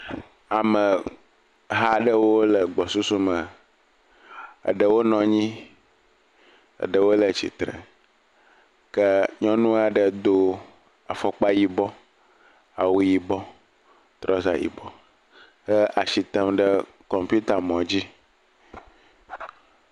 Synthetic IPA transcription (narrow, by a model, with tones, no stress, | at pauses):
a˨mə˨ | ɦa˦ɖə˦wo˦lə˨ɡ͡bɔ˨su˦su˦mə˨ | ə̰˨ɖə˨wo˦nɔ̃˨ɲĩ˦ | ə̰˨ɖə˨wo˦lə˨t͡ɕḭ˨t̪ɾə̰˨ | kə˦ɲɔ̃˦nũ˦a˨ɖə˨d̪o˦ | a˨fɔ˨k͡pa˦ji˨bɔ˦ | a˨wu˨ji˨bɔ˦ | t̪ɾɔ˦za̰˨jḭ˨bɔ˦ | hə˦ʔa˨ʃi˨t̪ə˦mɖə˦ | kɔ˨mpu˦t̪a˨mɔ̃˨d͡ʑi˦